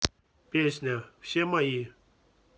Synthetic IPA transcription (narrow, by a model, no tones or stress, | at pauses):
peɕnaɕemaji